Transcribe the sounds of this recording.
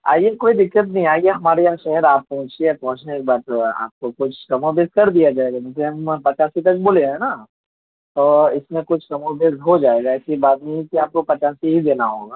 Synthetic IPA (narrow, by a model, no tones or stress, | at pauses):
a̰ːijekoːid̪ɪkːət̪nəɦĩaːieɦɐmaːɾejaʃɛɦəɾaːpːɐɦʊ̃t͡ʃiɛpɐɦʊ̃t͡ʃneeːk̚baːt̪a̰ːp̚kokʊt͡ʃʰkɐmobeːskɐɾd̪ijad͡ʒaːeɡamʊ̃keɦɐmpɐt͡ʃaːsit̪̬ɐk̚boːleɦɛ̃na | t̪oːɪsmẽkʊt͡ʃʰkɐmobeːsɦod͡ʒaːeːɡaɛːsibaːt̪̚nəɦĩkiaːp̚kopɐt͡ʃaːsiɦid̪eːnaɦoːɡaː